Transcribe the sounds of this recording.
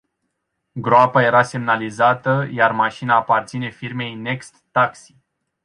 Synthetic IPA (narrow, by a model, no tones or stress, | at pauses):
ɡɾoapaje̞ɾase̞mnalizat̪əjarmaʃinaːpart̪sine̞firme̞jne̞kst̪ːaksi̥